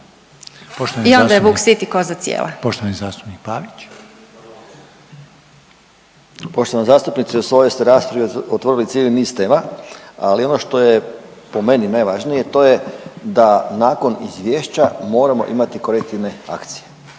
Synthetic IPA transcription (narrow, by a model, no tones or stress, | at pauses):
poʃt̪oaniond̪ajeʋuːksit̪ikozat̪sjḛːlʔa̰poʃt̪oʋanizaːst̪u̥pnik̚paːʋit͡ʃ | po̞ʃt̪oʋanizaːst̪upnit̪siusʋo̞jest̪eɾaːspɾaʋiot̪ʋoɾilit̪sjiːliniːst̪e̞ːmaa̰lio̞no̞ʃt̪o̞je | po̞me̞ninajʋaʒnijet̪o̞ːjed̪anaːko̞nizʋʲjeːʃt͡ɕamo̞ːɾamo̞̰ʔimat̪iko̞ɾek̚t̪iʋne̞a̰kt̪sije̞